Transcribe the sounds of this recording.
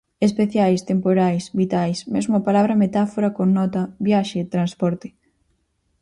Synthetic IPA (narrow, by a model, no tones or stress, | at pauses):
espeθjajst̪empoɾajsβit̪ajsmezmʊapalaβɾɐmet̪afoɾakoŋnɔt̪ɐβjaʃet̪ɾanspɔɾt̪ɪ̥